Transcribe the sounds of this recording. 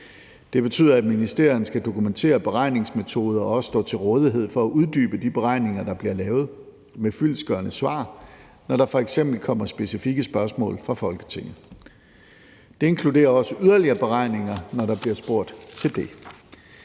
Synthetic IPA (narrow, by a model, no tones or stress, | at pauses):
d̥e̝b̥e̝t͡sʰy̰ðˠɐæd̥minisd̥e̝ɐ̰jɐn̩sɡ̥æd̥o̝kʰument͡sʰe̝̰ːɐb̥e̝ʁɑ̈ɪ̰ne̝ŋsme̝t͡sʰo̝ːð̞ˠɐɒɒ̽sə̥sd̥ɔ̰ːt͡sʰe̝lʁɔ̽ːð̞ˠiɦe̝ð̞̰ˠfɒ̽æʔuð̞ˠd̥y̰ːb̥əd̥ib̥e̝ʁɑ̈ɪ̰ne̝ŋɐd̥ɑ̈b̥liɐlɛːʊð̞̩ˠ | mefyl̰sɡ̥ɶːɐnəsʋɑ̰̈ː | nɒɾ̥ɑ̈fɒ̽eɡ̥sem̰b̥l̩kʰɒ̽m̰ɐsb̥e̝sifiɡ̥əsb̥ɶɐsmɔ̰̽ːlfʁɑ̈fɒ̽lɡ̥ə̥t͡sʰe̝ŋ̰ð̩ˠ | d̥e̝e̝nŋkʰlude̝̰ːɐɒ̽səʔyðˠɐliɐːb̥e̝ʁɑ̈ɪ̰ne̝ŋɐnɒɾɑ̈b̥liɐsb̥o̝ɐ̰d̥t͡sʰe̝ld̥e̝